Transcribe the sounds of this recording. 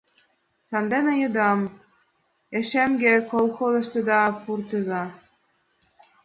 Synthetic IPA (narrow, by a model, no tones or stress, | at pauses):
sɑnd̪enɤ̆jɤ̆d̪ɑm | eʃemɡʲekolˠxozɤ̆ʃt̪ɤ̆d̪ɑpurt̪ɤ̆zɑ